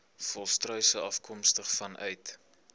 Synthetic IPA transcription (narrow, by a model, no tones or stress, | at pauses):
fɔlˠstrœɥsəɐfkʰɔmstəχfɐnʔœ̰ɥt